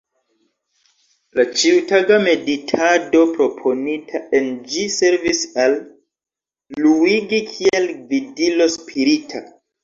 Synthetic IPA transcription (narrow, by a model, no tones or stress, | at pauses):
lat͡ʃiutaɡame̞ditʰado̞pɾo̞pʰo̞nitʰaʔe̞nd͡ʒise̞ɾvisal | uiɡikʰie̞lvidilo̞spʰiɾitʰa